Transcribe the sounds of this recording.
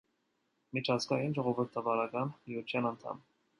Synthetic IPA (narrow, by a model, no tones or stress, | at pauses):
mit͡ʃʰɑzɡɑjinʒɔʁɔvəɾt̪ʰɑvɑɾɑkɑnmiut̪ʰjɑnɑnt̪ʰɑ̰m